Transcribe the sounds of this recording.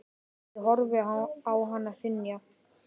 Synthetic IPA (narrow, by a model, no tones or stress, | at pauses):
ɦɔɾvɪawɦanːasɪnːja